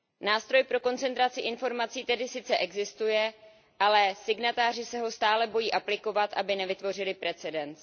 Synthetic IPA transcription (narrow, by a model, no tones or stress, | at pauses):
naːst̪ɾo̞jpɾo̞ko̞nt͡sɛnt̪ɾat͡sɪʔɪnfo̞ɾmat͡siːt̪ɛdɪsɪt͡sɛʔɛɡzɪst̪ujɛ | ʔalɛsɪɡnat̪aːr̝ɪsɛɦo̞st̪aːlɛbo̞jiːʔaplɪko̞vat̪ʔabɪnɛvɪt̪vo̞rɪlɪpɾɛt͡sɛdɛnt͡s